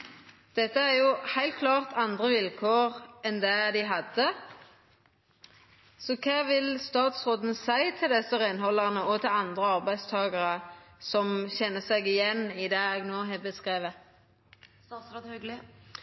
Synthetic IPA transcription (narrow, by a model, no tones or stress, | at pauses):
d̪̥ɛt̪ːəæʁjʊhæɪlt̪̚kʰlɑːʁt̪ʰɑnd̪ʁəʋɪlkʰoːʁɛnd̪ɛd̪ɪɦɑd̪ə | sɔkʰɑːʋɪlst̪ɑːt̪sʁoːd̪n̩sæɪt̪ʰɪld̪ɛsəʁɪnhɔlːɑʁnəɔt̪ʰɪlɑnd̪ʁəɑʁbæɪd̪st̪ʰɑːɡɑʁəsɔmçɛnːəsɛɡɪjɛnːɪd̪ɛːɛɡnoːɦɛːbəskʁeːʋə